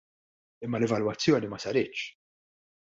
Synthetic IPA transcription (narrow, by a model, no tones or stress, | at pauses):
ɪmːɐlɛvɐlwɐt͡sːjɔːnimɐsɐɾɪːtːt͡ʃ